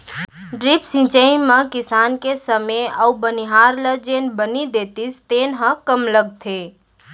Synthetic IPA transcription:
ɖɾipsɪ̃t͡ʃəĩmãkɪsaːnkesəmeəubəniɦaːɾləd͡ʒeːnbənid̪eːt̪ist̪eːnɦə̃kəmləɡ̚t̪ʰe

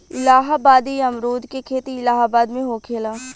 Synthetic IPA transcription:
ɪlaːɦabaːd̪iɐmɾuːd̪ʱkekʰeːt̪iɪlaːɦabaːd̪mẽɦoːkʰeːlaː

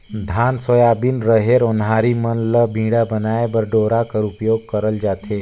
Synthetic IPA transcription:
d̪ʱaːnsojaːbinɾəɦeːɾonɦaːɾimənləbʱĩːɽabənaːebəɾɖoːɾakəɾupjoːɡ̚kəɾəld͡ʒaːt̪ʰeː

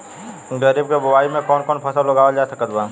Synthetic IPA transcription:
ɡəɾiːb̚kebʊwaːimẽkɔːnkɔːnpʰɐsəlləɡaːʋəd͡ʒaːsɐkət̪baː

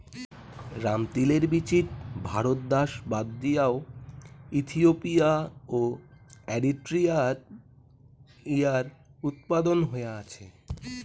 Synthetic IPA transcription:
ɾamt̪ileɾbit͡ɕit̪̚bʱaɾot̪̚d̪aʃbad̪ːijao | it̪ʰiopijaoeɖiʈɾia | ijaɾut̪̚pad̪onɦoeeat͡ɕʰe

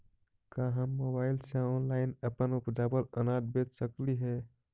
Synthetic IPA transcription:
kaɦəmːobailsə̃ɔnlaɪnəpənupd͡ʒabələnad̪̚bet̪səkliɦe

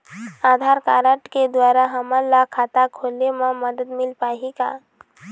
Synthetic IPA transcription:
aːd̪ʱaːɾkaːɾəʈked̪waːɾaɦəmalakʰaːt̪akʰoːlemãməd̪əd̪mɪlpaːika̰

